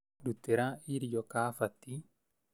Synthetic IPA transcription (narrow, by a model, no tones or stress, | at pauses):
d̪ut̪ːɛɾaiɾijɔkaːfɐt̪ːi